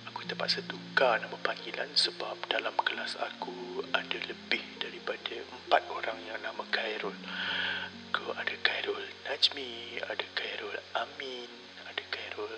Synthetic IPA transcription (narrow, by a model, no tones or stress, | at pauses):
akut̪əpa̰ʔ̪̚sət̪ukanamãpaŋɡila̰nsəbap̚dalamkəlasa̰kuadaləbɪhdaɾipadaəmpat̪̚oɾaŋjaŋnãmãkajɾɔl | koadakajɾɔlnad͡ʒmia̰dakajɾɔlamin | adakajɾɔl